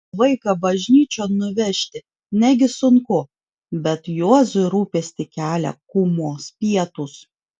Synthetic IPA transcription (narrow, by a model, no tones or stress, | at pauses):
ʋɐɪkɑbɐʒʲnʲiːt͡ʃʲoːnʊʋʲɛʃʲt̪ʲɪ | nʲæɡʲɪsʊŋkʊ | bʲɛt̪juɔzʊɪɾuːpʲeːsʲt̪ʲɪkʲæːlʲɛ̰kuːmoːspʲiɛt̪ʊs